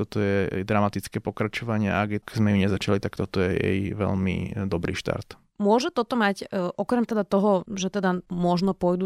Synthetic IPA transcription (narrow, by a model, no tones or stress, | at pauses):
t̪ɔt̪ɔjɛɛ̰jd̪ɾamat̪it͡skɛːpɔkɾat͡ʃɔʋaɲɪɛa̰aɡjɛkzmɛuɲɛzat͡ʃalit̪akt̪ɔt̪ɔjɛjɛ̰jʋɛ̰ʎmḭd̪ɔbɾḭːʃt̪a̰ɾt̪ | mʊɔʒɛt̪ɔt̪ɔmacːʔɔkɾɛmt̪ɛd̪at̪ɔɦɔʒɛt̪ɛd̪amɔʒnɔpʊɔjd̪u